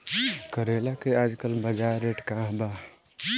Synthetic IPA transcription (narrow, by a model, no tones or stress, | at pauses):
kəɾeːlakeaːd͡ʒkəlbəd͡ʒaːɾeːʈkãːɦbaː